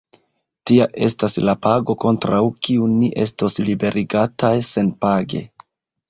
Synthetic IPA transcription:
tiaʔe̞staslapaɡo̞ko̞ntɾawkiunːiʔe̞sto̞slibe̞ɾʔiɡatajse̞npaɡe̞̰

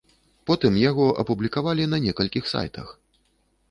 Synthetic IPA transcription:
pɔt̪ɨmjaɣɔʔɐ̰publʲikavalʲinɐnʲɛkɐlʲkʲixsa̰jt̪ɐ̰x

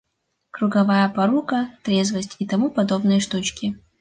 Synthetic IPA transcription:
kɾuɡɐvajɐpɐɾukɐt̪ɾʲezvɐsʲtʲit̪ɐmupɐd̪o̞bnɨjʂt̪ut͡ʃkʲɪ

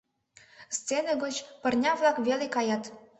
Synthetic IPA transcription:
st͡senəɣot͡ɕpə̆rnʲɑvlɑkβelekɑjɑt̪

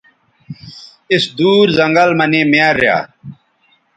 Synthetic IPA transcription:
isd̪uːɾzɐŋɡɐlmɐnemaɾːja̰ː

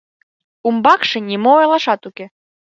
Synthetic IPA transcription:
umbakʂɨnʲimɔɛlˠaʂat̪ukʲi

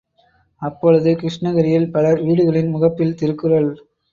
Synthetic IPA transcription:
ɐpːɔɻɯðɯkɾɪʂɳɐɣɐɾɪjɪlpɐlɐɾʋiːɽɯɣɐɭɪnmʊɣɐpːɪlt̪ɪɾɯkːɯrɐɭ

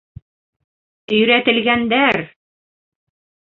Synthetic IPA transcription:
ɵ̆jɾæt̪ɘ̆lɡænd̪æɾ

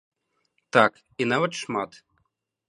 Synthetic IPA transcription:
t̪ak | inaʋɐt̪ʂmat̪

